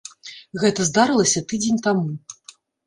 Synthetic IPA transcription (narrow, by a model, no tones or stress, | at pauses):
ɣɛt̪ɐzd̪aɾɨlˠɐsʲɐt̪ɨd͡zʲenʲt̪amu